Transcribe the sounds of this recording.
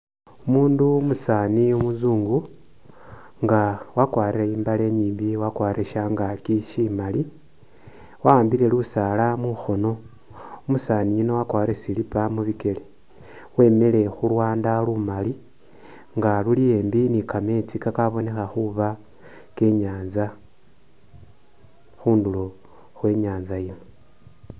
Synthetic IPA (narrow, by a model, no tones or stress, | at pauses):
umuːndumusaːniomuzuːŋɡu | ŋɡawakwaːɾiɾeimbale̞ɲiːmbiwakwaːɾiɾeʃaŋɡakiʃimali | waaːmbile̞lusalamuxo̞no̞ | umusanijino̞wakwaːɾiɾesilipamuβike̞le | we̞me̞le̞xulwaːndalumali | ŋɡalulije̞ːmbinikame̞t͡sikakaβo̞ne̞xaxuβa | ke̞ɲaːnza | xuːndulo | xwe̞ːɲaːnzajino